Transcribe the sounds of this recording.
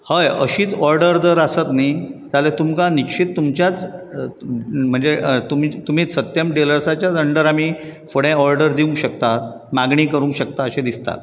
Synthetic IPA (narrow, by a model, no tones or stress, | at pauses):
həjə̰ɕiːt͡sɔɾɖəɾd͡z̪əɾasət̪nid͡zalet̪umkanikɕiːt̪ːumt͡ɕjat͡s | m̤əɳd͡zet̪umit̪um̤iːt͡ssət̪jəmɖeləɾsat͡ɕjat͡səɳɖəɾamiːfoɽɛ̃ɔɾɖəɾd̪iũŋkɕəkt̪at̪̚ | maɡɳ̃iːkəɾũŋkɕək̚t̪aəɕed̪ist̪a̰t̪